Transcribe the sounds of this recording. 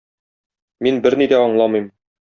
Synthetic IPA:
minbɘɾnid̪æɒ̆ɴlˠɑmɤ̆jm

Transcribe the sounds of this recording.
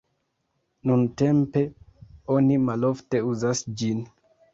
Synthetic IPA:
nunte̞mpe̞o̞nimalo̞fte̞uzasd͡ʒin

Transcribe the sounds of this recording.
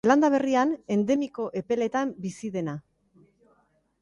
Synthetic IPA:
land̪aβ̞e̞riane̞nd̪e̞miko̞ʔe̞pe̞le̞t̪ambisiðe̞na

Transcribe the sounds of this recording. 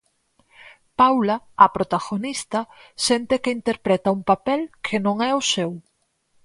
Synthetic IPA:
pawlɐːpɾot̪aɣonist̪ɐsɛnt̪ekeint̪eɾpɾɛt̪ɐuŋpapɛlkʰenõŋɛʊsew

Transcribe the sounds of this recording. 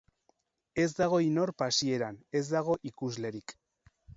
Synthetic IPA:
e̞zd̪aɣ̞o̞ino̞ɾpasie̞ɾane̞zd̪aɣ̞o̞ʔikuzle̞ɾik

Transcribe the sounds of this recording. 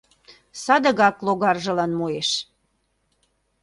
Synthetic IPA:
sɑd̪ə̆ɣɑkloɣɑrʒə̆lɑnmueʃ

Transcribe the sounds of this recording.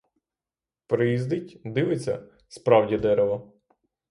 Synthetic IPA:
pɾɪjizd̪ɪtʲd̪ɪʋɪt͡sʲːɐ̰ | spɾɑwdʲid̪ɛɾeʋɐ

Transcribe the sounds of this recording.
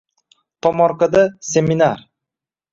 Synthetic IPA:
t̪ʰɒmɒɾkad̪asʲemʲinaɾ

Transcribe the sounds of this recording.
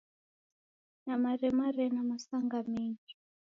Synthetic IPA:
namaɾɛmaɾɛnamasaŋɡameːnd͡ʒi

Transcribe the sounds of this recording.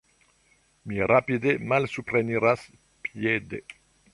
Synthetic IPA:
miɾapid̪emalsupɾeniɾas | pjed̪ḛ

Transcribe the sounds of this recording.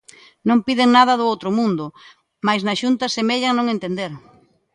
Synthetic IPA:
nõŋpiðeŋnaðɐðʊowt̪ɾʊmũnd̪ʊ | majznɐʃunt̪ɐsemeʎɐnõŋẽnt̪end̪eɾ

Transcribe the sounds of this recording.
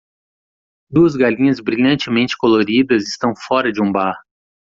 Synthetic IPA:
d̪uɐzɡalĩɲɐzbɾiʎɐ̃nt͡ʃɪmẽnt͡ʃɪ̥koloɾid̪ɐzɪst̪ɐ̃w̃fɔɾɐd͡ʒɪũbaɾ

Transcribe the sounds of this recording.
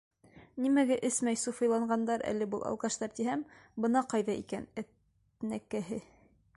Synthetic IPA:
nimæɡæʔɘsmæjsufɤ̆jlˠɑɴɢɑnd̪ɑɾæ̰lːɘ̆bɤlˠɑ̰lˠkɑʃt̪ɑɾt̪iɦæmbɤ̆nɑqɑjðɑʔikænæt̪ | nækæɦɘ

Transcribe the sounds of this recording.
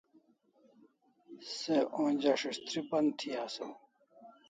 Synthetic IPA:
seʔõːnʲd͡ʑaʂiʂt̪ɾipɐnt̪ʰiaːso

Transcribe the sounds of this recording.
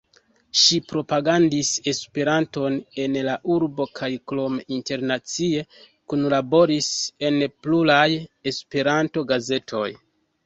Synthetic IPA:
ʃipɾo̞paɡandise̞spe̞ɾanto̞ne̞nlaʔuɾbo̞kʰajklo̞minte̞ɾnat͡sie̞ | kunlabo̞ɾise̞nplulaje̞spe̞ɾanto̞ɡaze̞tʰo̞̰j

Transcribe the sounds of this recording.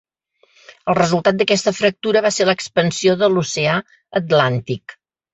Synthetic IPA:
əlˠrəzulˠt̪at̪̚d̪əkɛst̪əfɾək̚t̪uɾəβaseɾləkspənsioðəlusea | ət̪lant̪ik

